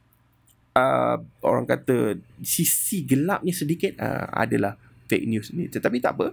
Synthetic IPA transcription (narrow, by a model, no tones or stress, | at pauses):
ə̰o̰ɾa̰ŋkat̪əsisiɡəlap̚nisədikit̪̚ə̰a̰dalah | fek̚njusnḭ̃t̪ət̪apit̪a̰ʔpə